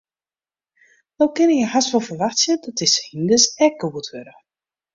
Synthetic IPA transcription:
nawkɪnəjəhasʋɔlˠfərʋaxtsjədɔtɪsəhindəsɛk̚ɡəwətʰʋøɾə

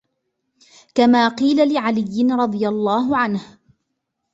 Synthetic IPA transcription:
kamaːqiːlalɪʕalɪjːɪnɾˤɑd̪ˤɨjalˤːɑːɦʊʕanh

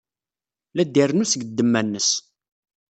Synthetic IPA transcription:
læd̪irnusəɡəd̪ːəmːænːəs

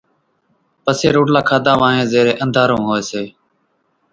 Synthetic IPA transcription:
pəseːɾoːʈlaːkʰaːd̪ãːʋãːɦẽːzeːɾeːʔə̃nd̪ʱaːɾõːɦoːeːseː

